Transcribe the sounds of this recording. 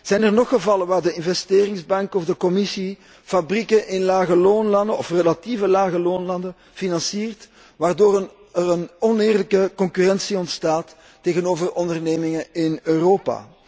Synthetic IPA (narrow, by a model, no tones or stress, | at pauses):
z̥ɛjnərnɔxəvɑlənʋaːrdəɪnvɛsteːrɪŋzbɑŋkɔvdəkɔmɪsi | fabrikəʔɪnlaːɣəloːnlɑndəɔfrəlativəlaːɣəloːnlɑndən | finɑnsiːrt | ʋaːrdoːɾən | ərənɔneːrələkəkɔŋkyrɛnsiɔntstaːtː | eːɣənoːvərɔndərneːmɪŋəɪnøːroːpa̰ː